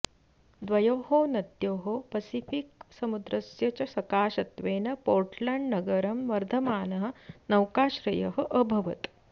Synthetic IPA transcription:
d̪ʋɐjoːɦoːnɐt̪joːɦopɐsifik̚sɐmud̪ɾɐsjɐt͡ʃɐsɐkaːʃɐt̪ʋeːnɐpoːɾʈlɐɳɖnɐɡɐɾɐmʋɐɾd̪ʱɐmaːnɐɦɐ̆nɐwkaːʃɾɐjɐɦɐ̆ʔəbʱɐʋɐt̪

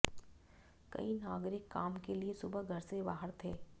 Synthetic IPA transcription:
kɐ̰inaːɡɾɪkːaːmkeliesʊbəɦɡʱɐɾsebaːɦəɾt̪ʰeː

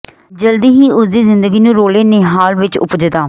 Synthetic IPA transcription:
d͡ʒəld̪iːɦiːʔʊsd̪iːzɪ̃nd̪əɡiːnũːɾoːleːneɦaːlʋɪt͡ʃʊ̰pd͡ʒəd̪aː

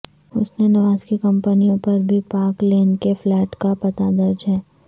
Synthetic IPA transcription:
ʊsnenɐʋaːzkekɐ̃mpənijõpɐɾbʱipaːkleːnkeflɛːʈkapɐt̪ad̪ɐɾd͡ʒɦɛː

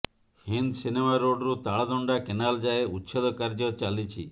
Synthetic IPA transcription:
hind̪sinemaɾoɖɾut̪aɭad̪ɔɳɖakenald͡ʒaeut̪ːʃɔd̪ɔkaɾd͡ʒɔt͡ʃalit͡ʃʰi

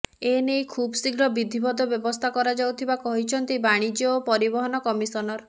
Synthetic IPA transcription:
enejkʰubsiɡɾɔbid̪ʱibɔd̪ɔbjɔbɔst̪ʰakɔɾad͡ʒawt̪ʰibakɔɦit͡ʃʰɔnt̪ibaɽ̃id͡ʒiɔpɔɾibɔɦɔnɔkɔmisɔnɔɾ

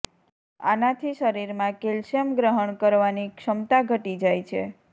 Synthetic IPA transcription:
a̰nat̪ʰiʃəɾiɾmãkelʃəmɡɾəɦəɳkəɾʋanikʃəmt̪aɡʱəʈid͡ʒajt͡ʃʰḛ

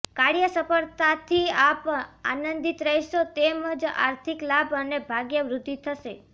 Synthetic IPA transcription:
kaɽjəsəpəɾt̪at̪ʰiapa̰nənd̪it̪ɾəɦjʃot̪eməd͡ʒa̰ɾt̪ʰiklabənebʱaɡjəʋɾʊd̪ʱːit̪ʰəʃe

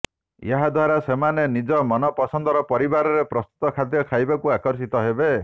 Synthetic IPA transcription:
eɦad̪ʱwaɾasemanenid͡ʒɔmɔnɔpɔsɔnd̪ɔɾɔpɔɾibaɾɔɾepɾɔst̪u̥t̪ɔkʰad̪jɔkʰajbakuakɔɾs̬it̪ɔɦebe

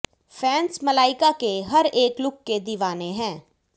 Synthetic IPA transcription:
fʰɛ̃ːnsməlaːɪkakeɦɐɾeːklʊkːed̪iːʋaːneɦɛ̃ː

